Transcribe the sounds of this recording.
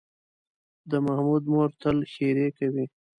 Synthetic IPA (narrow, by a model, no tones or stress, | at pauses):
d̪əmahmud̪moɾt̪əlxeɾekawi